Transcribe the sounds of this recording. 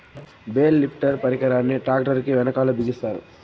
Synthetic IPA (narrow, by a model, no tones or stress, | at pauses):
beːlːipʰʈɐɾpɐɾikɐɾaːnːiʈaːk̚ʈɐɾkiʋɛnɐkaːlubʱiɡist̪aːɾṵ